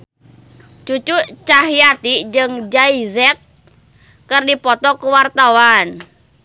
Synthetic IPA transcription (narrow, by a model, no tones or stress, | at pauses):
t͡ʃut͡ʃut͡ʃaɦjat̪id͡ʒɨŋd͡ʒaizɛt̪̚ | kɨrdipɔt̪ɔkuwart̪awan